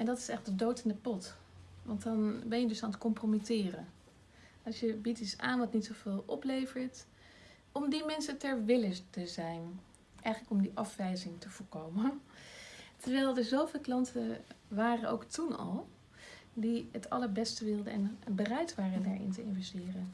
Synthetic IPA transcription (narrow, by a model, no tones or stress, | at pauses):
ɛndɑtɪ̥sɛχ̚dədowtɪndəpɔt | ʋɑntɑnbɛnjədɵsaːnətkɔmpromitɪːrən | ɑlˠʃjəbititsa̰ːnʋɑtnitsov̥ɪːlˠʔɔplejvəɹt | ɔmdimɛnsətɛɹʋɪlətəzɛjn | ʔɛjχələkɔmdiʔɑfʋɛjzɪŋtəv̥ʊːɹkowmən | təɹʋɛːlˠdɑdəɹzowvɪːlˠklɑntəʋaːrəno̰wktunɑ̰lˠ | diətʰɑləɹbɛstəʋɪlˠdəɛnbərɛjtʋaːrəndaːɹɪ̰ntəɪnvɛstɪːrən